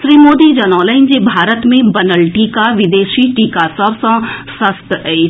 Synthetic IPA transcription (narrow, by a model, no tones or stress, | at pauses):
ʃɾiːmoːd̪id͡ʒɐnɔːləɪ̃nd͡ʑebʱaːɾət̪mẽbɐnəlʈiːkaʋɪd̪eːʃiʈiːkasɐbsãsɐst̪ɛi